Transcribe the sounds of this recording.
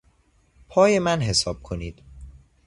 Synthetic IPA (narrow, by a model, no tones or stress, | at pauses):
pʰɒːjemænɦesɒːb̥̚kʰoniːd̪̥